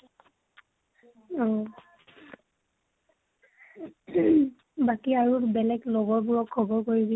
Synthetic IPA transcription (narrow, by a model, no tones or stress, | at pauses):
ɔ | bakiaɹubɛlɛɡlɔɡɔɹbʊɹɔkʰːɔbɔɹkoɹibi